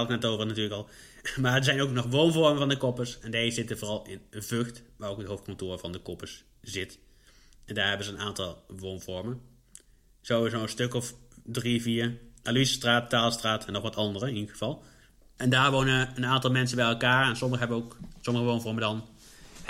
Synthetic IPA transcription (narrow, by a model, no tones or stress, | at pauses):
lknɛtowvərnatyːɹləkɑlˠ | maːɹəzɛjnowknɔχʋownvɔɹməvɑndəkɔpəɹsɛndaəzɪtəvoːrɑlˠɪnənvøxtʋaːrowkətɦowft̚kɔ̃ntʊːɹvɑndəkɔpəs | z̥ɪt | ɛndaːɹɦɛbənzəːnaːntɑlˠʋownvɔɹmən | z̥owɪzonstøkɔfdriviːɹʔalyzəstraːttaːlˠstraːtʰɛnːɔχʋɑtɑndərəɪnidəχə̥vɑlˠ | ɛndaːɹʋownəənaːntɑlˠmɛnsəbɛjɛlˠkaːɹɛnsɔməɣəɦɛbənoksɔməɣəʋownvɔɹmədɑn